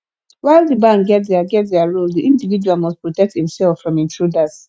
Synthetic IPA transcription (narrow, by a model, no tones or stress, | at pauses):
waɪlˠdəbãŋɡɛtðɛəɡɛt̚ðɛaɹulˠdiʔĩndivid͡ʒualmɔst̚pɹɔtɛk̚thĩmsɛlˠfɹɔ̃mĩntʰɹudaz̥